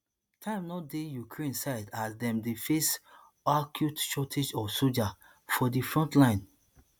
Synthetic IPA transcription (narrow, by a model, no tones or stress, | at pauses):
tʰãɪ̃mnɔdejukɹẽnsaɪdasdɛ̃mdifes | akʰjutʃɔtʰed͡ʒɔsod͡ʒa | fɔdifɹɔ̃ntlãɪ̃n